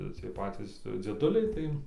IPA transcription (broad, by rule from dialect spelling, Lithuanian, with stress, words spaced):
ˈt͡sʲiɛj ˈpɑːt͡sʲiːs d͡zʲiɛˈdʊlʲɛɪ ˈtɐɪ